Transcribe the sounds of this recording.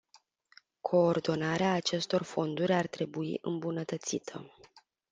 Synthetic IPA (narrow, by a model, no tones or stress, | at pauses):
kʰo̞ːrd̪o̞naɾeaːt͡ʃe̞st̪o̞rfo̞nd̪uɾʲart̪ɾe̞buḭʔɨ̰mbunət̪ət̪sit̪ʰə̰